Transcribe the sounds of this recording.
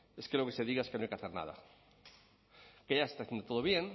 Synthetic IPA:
eskelokeseðiɣaeskenoajkeaθeɾna̰ða̰ | keʝaest̪aθjend̪ot̪o̞ðoβjeŋ

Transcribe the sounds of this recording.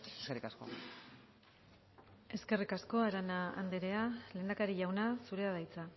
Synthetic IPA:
eskerikasko̰ | e̞ske̞rikasko̞aɾanaa̰nd̪eɾe̞aleːnd̪akaɾiʝawnasuɾe̞aðajt͡sa

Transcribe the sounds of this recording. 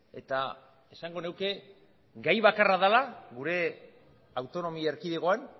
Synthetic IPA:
e̞̰t̪a | e̞saŋɡo̞ne̞wke̞ | ɡajβakaraðalaɣuɾe̞ | awt̪o̞no̞mieɾkiðe̞ɣo̞an

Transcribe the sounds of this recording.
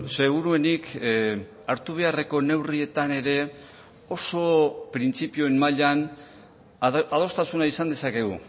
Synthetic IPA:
se̞ɣuɾue̞nik | aɾt̪uβ̞e̞are̞ko̞ne̞wrie̞t̪ane̞ɾe̞ | o̞so̞pɾint͡sipio̞emmaʎan | að̞o̞st̪asunaisand̪e̞sake̞ɣṵ

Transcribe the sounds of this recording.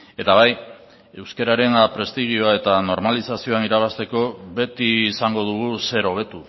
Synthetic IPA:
e̞t̪aβaj | e̞wske̞ɾaɾe̞npɾe̞st̪iɣio̞ae̞t̪ano̞ɾmalisasio̞aniɾaβast̪e̞ko̞βe̞t̪iːsaŋɡo̞ðuɣuse̞ɾo̞β̞e̞t̪u

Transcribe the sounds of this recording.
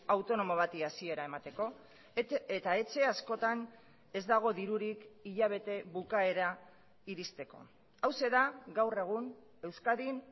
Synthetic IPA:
awt̪o̞no̞mo̞β̞at̪iasie̞ɾae̞mat̪e̞ko̞ | et̪ae̞t͡ʃe̞asko̞t̪an | e̞zd̪aɣ̞o̞ðiɾuɾikiʎaβ̞e̞t̪e̞βukae̞ɾa | iɾist̪e̞ko̞̰ | awse̞ðaɡawre̞ɣ̞un | e̞wskaðin

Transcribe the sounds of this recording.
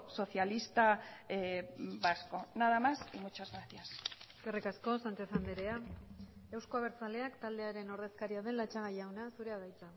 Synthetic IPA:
so̞θjalist̪a | basko̞naðamasiŋɡut͡ʃozɣɾasθiasskerikasko̞sant͡ʃe̞θand̪eɾe̞a | ewsko̞aβeɾt͡sale̞akt̪ald̪e̞aɾe̞no̞ɾðe̞skaɾiaðe̞nlat͡ʃaɣajawnasuɾe̞aðajt͡sa

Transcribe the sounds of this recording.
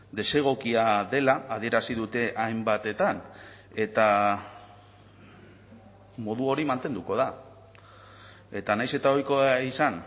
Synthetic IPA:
d̪e̞se̞ɣ̞o̞kiaðe̞laːð̞ie̞ɾasiðut̪e̞ʔajmbat̪e̞t̪an | e̞t̪a | mo̞ðuo̞ɾimant̪e̞nd̪uko̞ð̞a | e̞t̪anajse̞t̪ao̞jkoaisan

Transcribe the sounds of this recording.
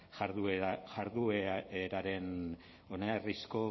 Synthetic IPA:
ʝaɾðueʝaɾðueeɾaɾe̞n | onearisko̞

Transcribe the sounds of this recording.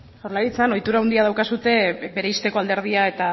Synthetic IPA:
oɾlaɾit͡sano̞jt̪uɾawnd̪iað̞awkasut̪e̞be̞ɾe̞ist̪e̞ko̞ald̪e̞ɾðiae̞t̪a

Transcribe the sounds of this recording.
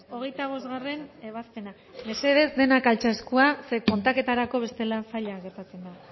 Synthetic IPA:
o̞ɣ̞e̞jt̪aβ̞o̞zɣare̞ne̞β̞aspe̞na | me̞se̞ðe̞zd̪e̞nakalt͡ʃaeskuase̞ko̞nt̪ake̞t̪aɾako̞β̞e̞st̪e̞lasaʎaɣe̞ɾt̪at͡se̞nd̪a

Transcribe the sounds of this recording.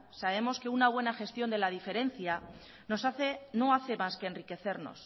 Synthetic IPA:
saβ̞e̞mo̞ske̞unaβ̞we̞naxe̞st̪jo̞nd̪e̞lað̞ife̞ɾe̞n̟θja | nosaθeno̞aθe̞maske̞ːnrike̞θe̞ɾno̞̰s

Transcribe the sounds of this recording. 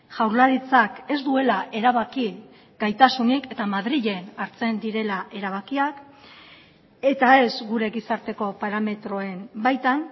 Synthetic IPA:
ʝawɾlaɾit͡sake̞zd̪ue̞laʔe̞ɾaβaki | ɡ̥ajt̪asunike̞t̪amaðɾiʎe̞naɾt͡se̞nd̪iɾe̞laʔe̞ɾaβ̞akiak | e̞t̪ae̞zɡuɾe̞ɣisaɾt̪e̞ko̞paɾame̞t̪ɾo̞e̞mbajt̪an

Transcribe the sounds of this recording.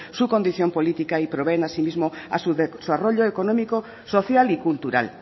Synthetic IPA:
sukond̪iθjompolit̪ikaipɾoβenasimizmoa̰suðesaroʎoekonɔ̃miko | soθjalikult̪uɾa̰l

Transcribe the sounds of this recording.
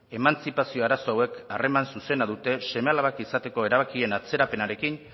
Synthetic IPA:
e̞mant͡sipasio̞aɾaso̞awe̞kare̞mansusenaðut̪e̞se̞mealaβakisat̪e̞ko̞e̞ɾaβakie̞nat͡se̞ɾape̞naɾe̞kin

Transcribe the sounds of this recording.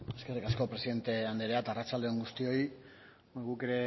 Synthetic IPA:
eske̞rikasko̞pɾeiðe̞nt̪e̞and̪eɾeat̪arat͡ʃald̪eoŋɡust̪io̞j | ɣuke̞ɾe̞

